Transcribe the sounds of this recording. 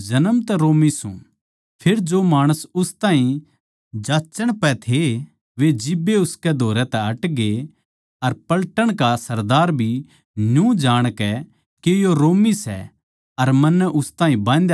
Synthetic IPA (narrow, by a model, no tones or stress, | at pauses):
d͡ʒɐnəmt̪ɛɾoːmisṵ̃ | pʰeɾd͡ʒomaːɽ̃əsʊst̪ãːɦĩ | d͡ʒaːt͡ʃəɽ̃pɛt̪ʰe | ʋed͡ʒɪbːeʊskɛd̪ʱoːɾɛt̪ɛ̃ɐʈɡe | ɐɾpɐlʈəɽ̃kasɐɾd̪aːɾbʱi | njũd͡ʒaːɽ̃kɛ | kejoɾoːmisɛ̰ | ɐɾmɐnːɛʔʊst̪ãːɦĩbãːnd̪